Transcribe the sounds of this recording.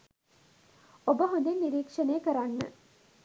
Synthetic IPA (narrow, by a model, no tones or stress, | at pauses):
obəɦõnd̪enːiɾiːkʂənejəkəɾanːə̰